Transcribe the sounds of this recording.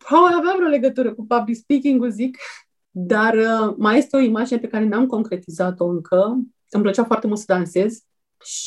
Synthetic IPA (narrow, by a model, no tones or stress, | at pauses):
pabalavavɾeole̞ɡət̪uɾəkupablikspikʲiŋɡuzik | d̪arəmaje̞st̪eo̞imad͡ʒine̞pe̞kaɾe̞namko̞ŋkɾe̞t̪izat̪o̞ɨŋkʰə | ɨmplət͡ʃafoart̪e̞mult̪səd̪anse̞z | ʃ